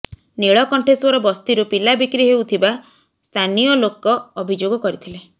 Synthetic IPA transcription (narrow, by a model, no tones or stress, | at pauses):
neɭɔkɔɳʈʰeswɔɾɔbɔst̪iɾupilabikɾiɦewt̪ʰiba | st̪ʰanijɔlokɔːbʱid͡ʒoɡɔkɔɾit̪ʰile